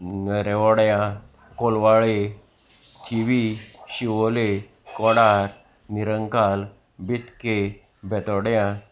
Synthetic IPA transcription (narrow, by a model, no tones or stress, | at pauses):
ɾeʋɔɽjã | kolʋaɭe | t͡ɕʰiʋiɕiʋɔle | kɔɽaɾ | niɾəŋkal | bit̪ke | bʱɛt̪ɔɽjã